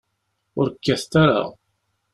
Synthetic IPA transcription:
ʊɾkːæθt̪aɾa̰

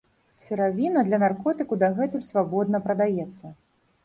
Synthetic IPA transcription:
sʲɛɾavʲinɐd̪lʲɐnarkɔt̪ɨkud̪aɣɛt̪ulʲsvabɔd̪̚nɐpɾɐd̪ajɛt̪sːɐ

